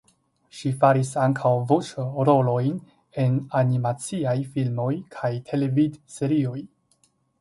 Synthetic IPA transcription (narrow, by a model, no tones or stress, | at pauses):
ʃifaɾisaŋkʰawvot͡ʃoɾo̞lo̞jn | e̞nanimat͡siajfilmo̞jkʰajtʰe̞levidse̞ɾio̞j